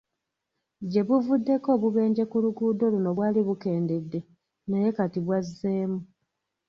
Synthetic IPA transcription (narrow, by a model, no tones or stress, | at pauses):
ɟe̞βuvudːe̞ko̞ːβuβe̞ːɲɟe̞kuluɡuːdo̞luno̞βwaːliβuke̞ːnde̞dːe | neje̞katiβwazːeːmu